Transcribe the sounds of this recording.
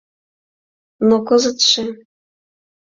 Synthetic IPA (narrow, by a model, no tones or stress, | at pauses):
nokɤzɤ̆t̪ʃĕ